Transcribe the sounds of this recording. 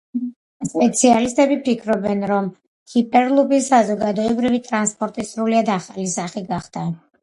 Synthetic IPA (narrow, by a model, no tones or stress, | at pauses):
spʼɛt̪sʰialist̪ʼɛbipʰikʰɾɔbɛnɾɔm | hipʼɛɾlˠubisazɔɡad̪ɔɛbɾivit̪ʼɾanspʼɔɾt̪ʼisɾuliad̪aχalisaχiɡaχd̪̥a